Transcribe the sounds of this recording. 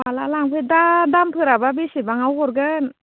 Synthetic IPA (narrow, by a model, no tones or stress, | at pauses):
wala̰laŋpʰɯjdadampʰɯɾababisibaŋawhɔɾɡɯn